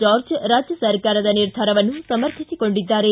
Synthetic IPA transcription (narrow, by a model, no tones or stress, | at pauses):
d͡ʒaːɾd͡ʒɾaːd͡ʒjɐsɐɾkaːɾɐd̪ɐniɾd̪ʱaːɾɐʋɐnːusɐmɐɾt̪ʰisiko̞ɳɖid̪ːaːɾe